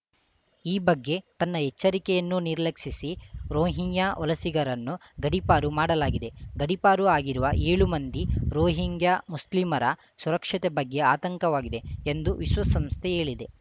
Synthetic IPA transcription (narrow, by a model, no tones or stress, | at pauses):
iːbɐɡːe̞t̪ɐnːɐɦɛt͡ʃːɐɾikɛjɐnːuniɾlɐkʂisiɾoːɦiɲjaːʔɔlɐsiɡɐɾɐnːuɡɐɽipaːɾumaːɽɐlaːɡid̪e̞ɡɐɽipaːɾuaːɡiɾuʋɐʔe̞ːɭumɐnd̪iɾoːɦiŋɡjamuslimɐɾɐ | suɾɐkʂɐt̪ebɐɡːe̞aːt̪ɐŋkɐʋaːɡid̪e̞end̪uʋiʃʋɐsɐmst̪ʰee̞ːɭid̪e̞